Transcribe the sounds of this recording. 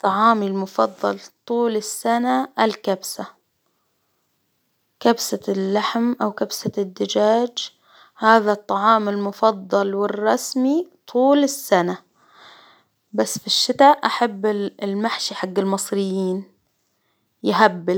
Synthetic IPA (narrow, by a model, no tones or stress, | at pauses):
t̪ˤːɑʕɑːmilmʊfɑd̪ˤːɑlt̪ˤuːlɪsːanaɪlkabsa | kabsalːaħmʔawkabsad̪ːɪd͡ʒaːd͡ʒ | haːðat̪ˤːɑʕɑːmɪlmʊfɑd̪ˤːɑlwɪrˤːɑsmit̪ˤʰuːlɪsːana | basːfiʃːɪt̪aʔʔaħabːɪlmaħʃiħaɡːɪlmɨsˤɾɪjːiːn | jɪɦabːɪl